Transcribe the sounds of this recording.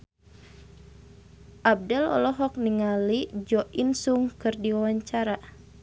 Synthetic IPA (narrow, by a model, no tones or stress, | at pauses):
ʔab̚dɛlɔ̰lɔɦɔk̚niŋalid͡ʒɔʔinsuŋkɨrdiwawaɲt͡ʃaɾa